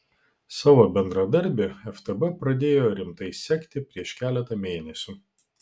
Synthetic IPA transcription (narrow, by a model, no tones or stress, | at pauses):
sɑːʋoːbʲɛnd̪ɾɐd̪ɐɾʲˑbʲeɛft̪ɛbɛpɾɐd̪ʲeːjoːɾʲɪmt̪ɐɪsʲɛkʲt̪ʲɪpʲɾʲiɛʃkʲæːlʲɛt̪ɐmʲeːnʲɛsʲu